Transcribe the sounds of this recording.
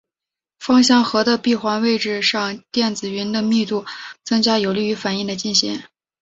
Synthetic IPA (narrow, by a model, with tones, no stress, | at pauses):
fɑ˥ŋɕ̬jɑ˥˩ŋxɤ˧˥d̪ə˧pi˥˩xwa˧˥nwe˥˧ɪʈ͡ʂɻ̩˥˧ʂɑ˥˧ŋt̪jɛ˥˩nd͡zɹ̩˨˩ɥy˧˥nd̪ə˧mi˥˧t̪u˥˩t͡sɤ˥ŋt͡ɕja˥jo˨˩ʊli˥˩y˧˥fa˨˩ni˥˩d̪ə˩t͡ɕi˥˩nɕḭ˧˥ŋ